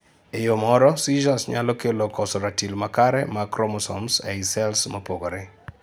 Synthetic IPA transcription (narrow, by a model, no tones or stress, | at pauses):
ejomɔɾɔsiʒasɲalɔkelokɔsɔɾatilmakaɾɛmakɾomɔsɔ̰msɛisɛlsmopoɡoɾe